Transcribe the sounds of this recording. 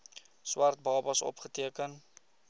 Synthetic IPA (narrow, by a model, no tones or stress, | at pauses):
swɐrt̚bɑːbɐsɔ̰pχətiəkən